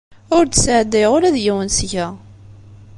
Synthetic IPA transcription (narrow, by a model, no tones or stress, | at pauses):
ʊɾt̪sʕd̪ːɪʁʊɾæðjiwənsʝæ